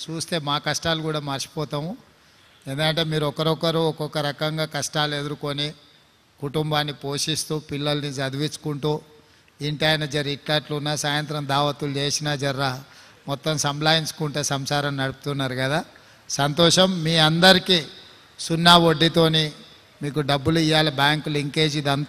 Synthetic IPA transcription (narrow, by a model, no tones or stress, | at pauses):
t͡ʃuːst̪e̞ːmaːkɐʂʈaːlukuːɽaːmɐɾt͡ʃi̥pɔːt̪aːmu | e̞ːnd̪ukɐɳʈe̞ːmiːɾuɔkɐɾɔkɐɾuɔkɔkɐɾɐkɐŋɡaːkɐʂʈaːlue̞d̪uɾuko̞ni | kuʈumbaːnːipo̞ːʂist̪uːpilːɐlɐnisɐd̪uʋit͡ʃu̥kuɳʈuː | iɳʈaːjnɐd͡ʒɐɾiʈlaːʈlunːasaːjɐnt̪ɾɐmd̪aːʋɐt̪ulut͡ʃe̞ːsinaːd͡ʒɐɾːa | mɔt̪ːɐmsɐmplaːjinskuɳʈeːsɐmsaːɾɐmnɐɽupu̥t̪unːaːɾuɡɐd̪aː | sɐnt̪ɔːʂɐmːiːɐnd̪ɐɾikiː | sunːaːʋo̞ɖːit̪o̞ːni | miːkuɖɐbːulijaːlɐbjaːŋkuliŋke̞ːd͡ʒid̪ɐnt̪